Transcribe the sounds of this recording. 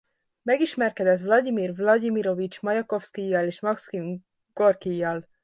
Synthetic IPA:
mɛɡiʃmɛrkɛd̪ɛt̪vlɒɟ̪imiːrvlɒɟimiɾo̞vit͡ʃmɒjɒko̞fskijːɒleːʃmɒkski | ɡ̥orkijːɒl

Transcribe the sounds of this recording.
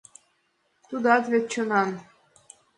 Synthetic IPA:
t̪ud̪ɑt̪βʲet̪̚t͡ɕŏnɑn

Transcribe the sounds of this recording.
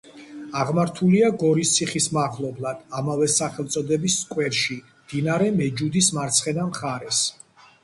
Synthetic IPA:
aʁmaɾt̪ʰuliaɡɔɾist̪sʰiχismaʁlˠɔblˠad̪̥amavɛsaχɛlˠt̪sʼɔd̪ɛbiskʼwɛɾʃi | md̪̥inaɾɛmɛd͡ʒud̪ismaɾt̪sʰχɛnamχaɾɛs

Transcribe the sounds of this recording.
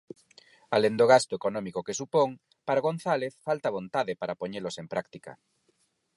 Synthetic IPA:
alend̪oɣast̪ʊekonɔmikokesupoŋ | paɾaɣ̞on̟θaleθfalt̪aβont̪aðɪpaɾapoɲelosempɾakt̪ikɐ̰

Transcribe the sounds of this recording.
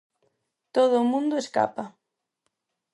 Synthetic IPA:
t̪oð̞ʊːmũnd̪ʊeska̰pa

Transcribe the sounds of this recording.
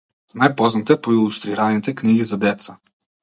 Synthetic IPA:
najpɔznat̪ɛpɔilˠust̪ɾiɾanit̪ɛkniɡizad̪ɛt̪sa

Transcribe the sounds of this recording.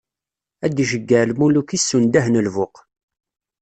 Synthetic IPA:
æd̪ʒəɡːəlmulukisːund̪æɦnəlvʊq

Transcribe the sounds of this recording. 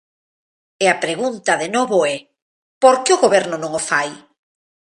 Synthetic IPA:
eapɾeɣunt̪ɐðenoβoɛ | poɾkɪoɣoβɛɾnonõŋofaj

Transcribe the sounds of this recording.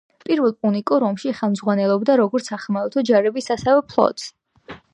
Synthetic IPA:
pʼiɾvɛlˠpʼunikʼuɾɔmʃiχɛlˠmzʁwanɛlˠɔbd̪aɾɔɡɔɾt̪sʰaχmaɛlt̪ʰɔd͡ʒaɾɛbisasɛvɛpʰlˠɔ̰t̪ʼs

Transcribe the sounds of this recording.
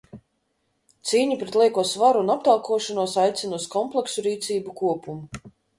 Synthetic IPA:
t̪siːɲupɾet̪lˠiɛkuɔsvaɾuːnap̚t̪alˠkuɔʃanuɔsajt̪sʲinuɔskɔmplˠeksuɾiːt̪siːbukuɔpumu

